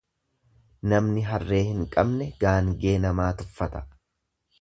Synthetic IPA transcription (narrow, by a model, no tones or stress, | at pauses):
nɐmnɪɦɐrːe̞ːhɪŋkʼɐbnɛɡ̥aːŋɡe̞ːnɐmaːt̪ʊfːɐt̪ɐ̥